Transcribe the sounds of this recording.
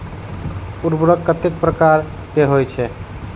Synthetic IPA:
uɾbɾəkːət̪ek̚pɾəkaɾ | keɦojt͡ʃʰɛ

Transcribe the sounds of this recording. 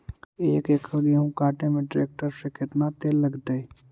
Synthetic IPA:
eːkeːkʰɡiɦũkaːʈemẽɖɾeːk̚ʈəɾsekɪt̪nat̪eːlɐɡd̪əi

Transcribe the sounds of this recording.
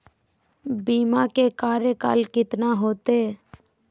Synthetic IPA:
biːmakekaːɾjəka̰ːlkɪt̪naɦoːt̪e

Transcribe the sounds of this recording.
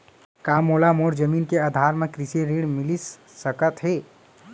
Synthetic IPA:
kaːmoːlamoːɾd͡ʒəmiːnkeəd̪ʱaːɾmẽkɾiseɾeːɽmɪlis | səkət̪ɦeː

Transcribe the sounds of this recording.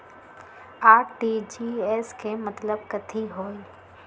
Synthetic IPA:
aːʈid͡ʒiɛːskemɐt̪ləb̚kɐt̪ʰiɦoːi

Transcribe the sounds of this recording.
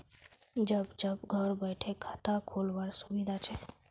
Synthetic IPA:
d͡ʒəbd͡ʒəbɡʱəɾbəɪʈʰekʰat̪akʰoːlʋəɾsubid̪ʱat͡ʃʰɛ

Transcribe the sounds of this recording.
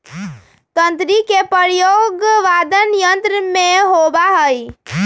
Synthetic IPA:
t̪ənt̪ɾikepəɾjoɡʋad̪ənjənt̪ɾəmeɦobaɦəi

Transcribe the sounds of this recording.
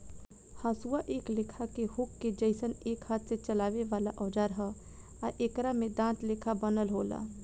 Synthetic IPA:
haːsuaʔeːklekʰakehukːed͡ʒəɪsəneːkhaːt̪set͡ʃəlaːʋeʋaːlaʔɔːd͡ʒaɾɦə | aʔekɾamed̪ãːtlekʰabənəlɦoːla̰

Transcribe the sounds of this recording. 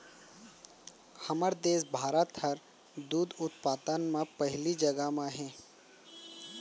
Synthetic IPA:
hɐməɾd̪eːs̬bʱaːɾət̪həɾ | d̪uːd̪ʊt̪paːt̪ənmãpəɦlid͡ʒəɡəmãɦɛ̃ː

